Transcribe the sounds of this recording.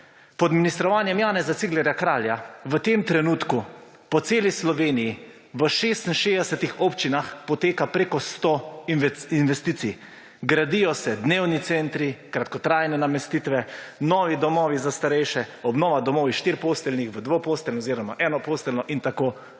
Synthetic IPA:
pɔd̪minist̪ɾɔʋaːnjɛmjaːnɛzat̪siɡlɛɾjakɾaːljaʋət̪emt̪ɾɛnuːt̪ku | pɔt̪seːlislɔʋeːniji | ʋəʃeːst̪n̩ʃeːd̪ɛsɛt̪ixopt͡ʃinaxpɔt̪eːkapɾekɔst̪o | inʋɛst̪iːt̪sij | ɡɾad̪ijɔsɛd̪neːwnit̪sɛnt̪ɾikɾat̪kɔt̪ɾaːjnɛnamɛst̪iːt̪ʋɛnɔːʋid̪ɔmɔːʋizast̪aɾɛjʃɛɔbnɔːʋad̪ɔmɔːʋiʃt̪iɾpoːst̪ɛlnixʋəd̪ʋopoːst̪ɛlnɔoziɾɔma̰ʔɛːnɔpoːst̪ɛlnɔʔint̪akoː

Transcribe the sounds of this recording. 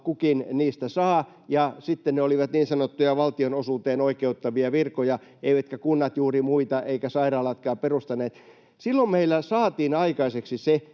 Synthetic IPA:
kukinniːst̪æsɑː | jɑsit̪ːenneoliʋɑt̪niːnsɑnot̪ːujɑʋɑlt̪ionosuːt̪eːnoikeut̪ːɑʋiɑʋirkojɑ | eiʋæt̪kækunːɑt̪juːrimuit̪ɑeikæsɑirɑːlɑt̪kɑːperust̪ɑneːt̪ | silːommeilːæsɑːt̪iːnɑikɑiseksise

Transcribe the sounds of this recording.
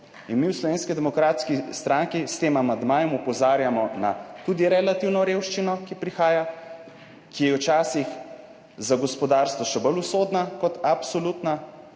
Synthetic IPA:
inmiwslɔʋeːnskid̪ɛmɔkɾaːt̪skist̪ɾaŋkist̪eːmamand̪maːjɔmupɔzaːɾjamɔna̰t̪ud̪iɾɛlat̪iwnɔɾeːwʃt͡ʃinɔkipɾixaːja | kijɛwt͡ʃaːsix | zaɡɔspɔd̪aːɾst̪ʋɔʃɛbɔlusoːd̪nakɔt̪apsolut̪na

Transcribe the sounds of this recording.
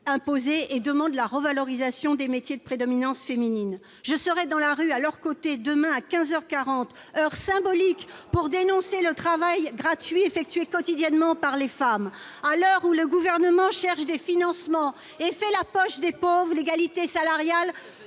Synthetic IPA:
ɛ̃pozeʔːd̪əmɑ̃d̪laʁəvalɔʁizasjɔ̃d̪emet̪ʰjed̪əpχed̪ɔminɑ̃sfeminin | ʒəsəʁɛd̪ɑ̃laʁyalœʁkot̪ed̪əmɛ̃akʲɛ̃zœʁkaʁɑ̃t̪ | œʁsɛ̃bɔlikpuʁd̪enɔ̃selət̪χavajɡʁat̪ɥiefɛk̚t̪ɥekɔt̪id̪jɛnmɑ̃paʁlefamalœʁuləɡuvɛʁnəmɑ̃ʃɛʁʃd̪efinɑ̃smɑ̃ | efɛlapɔʃd̪epovʁleɡalit̪esalaʁjal

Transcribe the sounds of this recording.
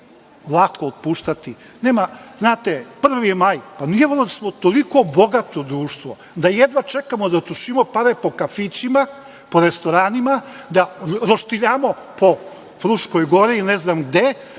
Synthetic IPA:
lˠakoot̪̚puːʃt̪at̪i | neːmaznaːt̪epr̩ʋimajpanieʋoɾod̪smot̪oliko̞boɡat̪od̪ɾuːʃt̪ʋo | d̪ajed̪ʋat͡ʃe̞kamod̪at̪uʃimo̞paɾepo̞kafit͡ɕima | poɾest̪o̞ɾaːnima | d̪aɾoʃt̪iʎaːmo̞ | po̞ | fɾuʃkojɡo̞ɾiːneznaːmɡd̪e

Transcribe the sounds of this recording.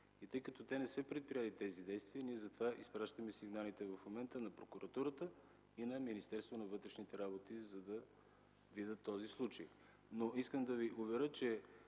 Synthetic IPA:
it̪ɤjkɐt̪ɔt̪ɛnɛsɛpɾɛt̪̚pɾijɛlit̪ɛzid̪ɛjst̪viəniɛzɐt̪ovaʔispɾaʃt̪əmɛsiɡnalit̪ɛvɐfmomɛnt̪ənɐpɾokʊɾɐt̪uɾət̪ə | inɐminist̪ɛɾst̪vonɐvɤt̪ɾɛʃnit̪ɛɾabot̪izɐd̪ɐ | vid̪ət̪ːɔzislˠut͡ʃəj | noiskəmd̪ɐviʔʊvɛɾət͡ʃɛ

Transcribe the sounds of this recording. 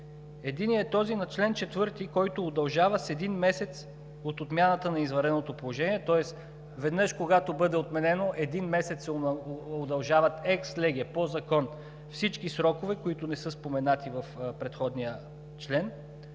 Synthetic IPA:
ɛd̪iniɛt̪ɔzinɐt͡ʃlɛnt͡ʃɛt̪vɤɾt̪ikɔjt̪ʊːd̪ɐlˠʒavəsɛd̪inmɛsɛt̪s | ot̪ot̪mʲjanət̪ənɐizvɐɾɛnot̪opolˠoʒɛniɛt̪ɔɛs | vɛd̪nɤʃkoɡat̪obɤd̪ɛot̪mɛnɛnoʔɛd̪inmɛsɛt̪sɛod̪ɐlˠʒavɐt̪ɛkslɛɡʲɛpozɐkɔn | fsit͡ʃkisɾɔkovɛkoit̪ʊnɛsɤspomɛnat̪ivɐfpɾɛt̪xɔd̪nijə | t͡ʃlɛn

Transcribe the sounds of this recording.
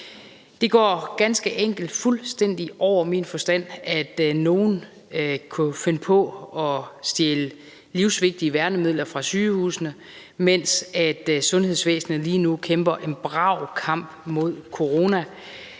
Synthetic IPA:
d̥e̝ɡ̥ɒ̰ːɡ̥ænsɡ̥əʔeŋ̰ɡ̥l̩d̥fulsd̥en̰d̥iʔɒʊ̰ɐminfɒ̽sd̥æn̰æd̥no̝ːn̩ | kʰufe̝nəpʰɒ̽ɒ̽sd̥jelə | liʊsʋe̝ɡ̥̚d̥iəʋæɐnəmið̞̰ˠlɐfʁɑ̈syːhṵːsnə | men̰sæd̥sɔ̽nhe̝ð̰ˠsʋḛːsn̩ð̩ˠliːnukʰemb̥ɐʔe̝nb̥ʁɑ̈ʊ̰kʰɑ̈m̰b̥mo̝ð̞̰ˠkʰo̝ʁo̝ːnæ

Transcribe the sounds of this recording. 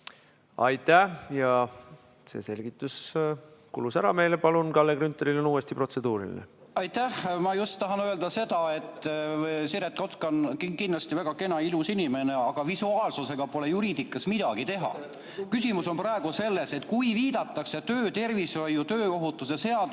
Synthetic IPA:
ɑjt̪ːˑæjɑ | se̞̰ːse̞lʲɡ̥it̪ːˑus | kṵlusæɾɑme̞ːlepɑlunkɑlːekɾynt̪ːˑeɾilonuːwest̪ipro̞t̪se̞d̪uːɾḭlḭnḛɑjt̪æhmɑjust̪ːɑɦɑnø̞eld̪ɑse̞d̪̥ɑe̞t̪ːˑsiɾet̪ko̞t̪konkikind̪lɑst̪ivæɡ̥ɑke̞nɑilusinime̞ne̞ɑɡ̥ɑvisuɑːlsuse̞ɡ̥ɑpo̞le̞juɾiːd̪̥ikːˑɑsmid̪̥ɑɡ̥it̪e̞ɦɑ̰ | kysimuso̞nprɑe̞ɡ̥use̞lːe̞se̞t̪kujviːd̪ɑt̪ːˑɑkset̪øːt̪e̞rvisvɑjut̪ø̞ːo̞ɦut̪ːˑus̬ese̞ɑd̪

